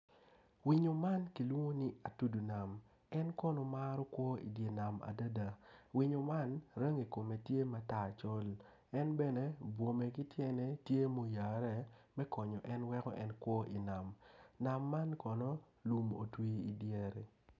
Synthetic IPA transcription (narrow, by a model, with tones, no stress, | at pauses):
wi˨ɲo˨ma˦nki˨lwu˦o˦ni˦a˨tu˦du˨na˨m | ɛ˦nkɔ˦no˨ma˦ɾɔ˦kwɔ˦ḭ˨dje˨na˨ma̰˨da˦da˨wi˨ɲo˨ma˦nɾe˦ŋi˨ko˨me˨tje˦ma˨ta˦˨t͡ʃɔ˦l | ɛ˦nbɛ˦ne˨bwo˨me˨ki˦tjɛ˦ne˦tje˦mo˨ja˨ɾɛ˦˨mɛ˦kɔ˨ɲɔ˨ʔɛ˦nwɛ˦kɔ̰˦ʔɛ˦nkwɔ˦ʔi˨na˨mna˨mːa˦nkɔ˨nɔ˦ | lu˨mo̰˨twi˦i˨djɛ˨ɾɛ˨